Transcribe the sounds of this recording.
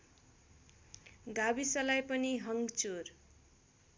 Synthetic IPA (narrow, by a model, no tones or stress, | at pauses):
ɡabisʌlajpʌniɦʌŋɡt͡sor